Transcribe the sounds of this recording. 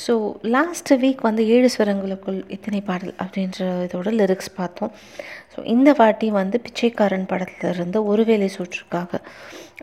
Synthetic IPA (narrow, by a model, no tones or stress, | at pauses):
soːlaːsʈʋiːkʋɐnd̪ɯeːɻɯsʋɐɾɐŋɡɐɭɯkːɯɭɪt̪ːɐnɐɪpaːɽɐlɐ̰pːɐɽɪndɾɐɪðoːɽɐlɪɾɪkspaːɾt̪õː | so̰ːʔɪnd̪ɐʋaːʈːij̃ʋɐnd̪ɯpɪt͡ʃːɐɪkːaːɾɐɳpɐɽɐt̪ːɪlɪɾɯnd̪ɯɔɾɯʋeːleɪsoːʈːɪɾɯkːaːɣɐ